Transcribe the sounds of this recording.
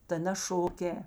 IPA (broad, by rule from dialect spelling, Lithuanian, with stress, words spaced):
tɐ nɐ ˈʃoːˌkʲɛː